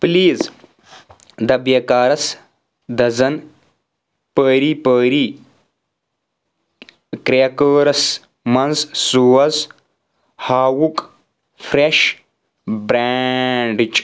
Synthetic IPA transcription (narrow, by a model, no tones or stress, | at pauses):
pliːz | d̪ɐbjɐkaːɾɐs | d̪ɐzɐn | pəːɾiːpəːɾiː | kɾeɐkəːɾɐs | mɐnzsuːɐz | haːwuk | fʰɾeʃ | bɾaɳɖit͡ʃʼ